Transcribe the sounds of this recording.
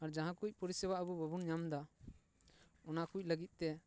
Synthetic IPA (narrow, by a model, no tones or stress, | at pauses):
aɾd͡ʒaɦãkuc̚ˀpɔɾisɛbaʔəbubəbunɲamd̪a | ɔnakuc̚ləɡit̪̚t̪ɛ